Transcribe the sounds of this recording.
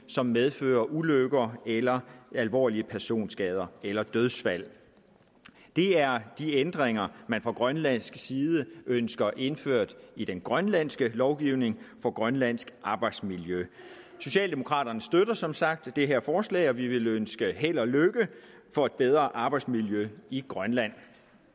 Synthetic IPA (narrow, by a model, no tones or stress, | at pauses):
sɒ̽mːeðˠfø̰ːɐʔuløɡ̥ɐːelɐælʋɒ̰ːliəpʰæɐso̝̰ːnsɡ̥ɛːð̞ˠɐelɐd̥øð̞ˠsʋæl̰ | d̥e̝æɐd̥iend̥ʁeŋɐmænfʁɑ̈ɡ̥ʁɶnlæn̰sɡ̥siːðˠəʔønsɡ̥ɐʔe̝nfø̰ɐ̰d̥id̥enɡ̥ʁɶnlæn̰sɡ̥əlɒʊɡ̥iʊne̝ŋfɒ̽ɡ̥ʁɶnlæn̰sɡ̥ʔɑ̈ːb̥ɑ̈ɪd̥smiljø | so̝ɕɛ̰ːld̥e̝mo̝kʰʁɑ̰̈ːd̥ɐnəsd̥øɾ̥ɐsɒ̽msɑ̈ɡ̥̚d̥ːe̝ɦæɐ̰fɒːslɛ̰ːɪɒ̽ʋiʋe̝lønsɡ̥əɦel̰ɐløɡ̥ə | fɒ̽e̝d̥̚b̥eð̞ˠʁɐʔɑ̈ːb̥ɑ̈ɪd̥smiljøiɡ̥ʁɶnlæn̰